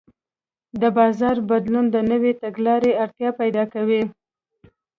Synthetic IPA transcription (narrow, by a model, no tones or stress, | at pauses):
d̪əbɑzɑɾbad̪lund̪ənəwet̪aɡlɑɾeaɾt̪jɑpajd̪ɑkawi